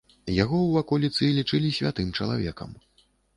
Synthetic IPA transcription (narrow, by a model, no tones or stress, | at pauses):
jaɣɔwvakɔlʲit̪sɨlʲit͡ʂɨlʲisʲvʲat̪ɨmt͡ʂɐlˠa̰vʲɛ̰kɐ̰m